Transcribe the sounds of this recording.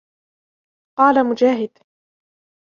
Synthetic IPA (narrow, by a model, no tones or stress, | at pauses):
qɑːlamʊd͡ʒaːɦɪd̪